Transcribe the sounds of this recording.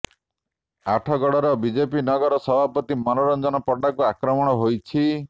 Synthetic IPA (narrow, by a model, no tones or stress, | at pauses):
aʈʰɔɡɔɽɔɾɔbid͡ʒepinɔɡɔɾɔsɔbʱapɔt̪imɔnɔɾɔnd͡ʒɔnɔpɔɖakuakɾɔmɔɽ̃ɔɦojt͡ʃʰi